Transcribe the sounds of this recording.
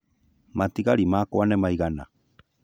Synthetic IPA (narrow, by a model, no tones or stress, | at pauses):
matiɣaɾimaːkwanɛmaiɣana̰